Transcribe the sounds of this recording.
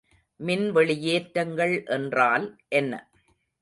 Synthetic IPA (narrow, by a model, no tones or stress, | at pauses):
mɪnʋɛɭɪjeːʈɾɐŋɡɐɭʔɛndraːlʔɛnːɐ̰